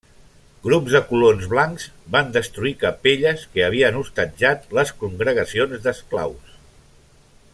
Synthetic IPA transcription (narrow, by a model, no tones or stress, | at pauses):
ɡɾubzðəkulonzβlaŋkz̥band̪əst̪ɾuikəpeʎəskəəβ̞iənust̪əd͡ʒat̪ləskuŋɡɾəɣ̞əsionzd̪əskla̰ws